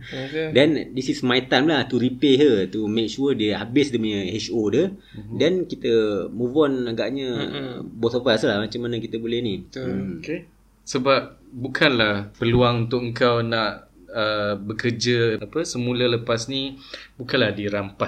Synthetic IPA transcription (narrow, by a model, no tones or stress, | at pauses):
dɛndisismait̪amlaht̪uɾipeɦət̪umẽk̚ʃudəabɪsdəməɲə̃hɛt͡ʃodə | dankit̪əmuvɔnaɡaʔɲəbɔtopaslahmat͡ʃamːanə̃kit̪əbolɛhnik | səbap̚bukʰanlahpəluaŋunt̪ʊkəŋkawnãʔəbəkərd͡ʒəapəsəmulələpasnibukanlahdiɾampa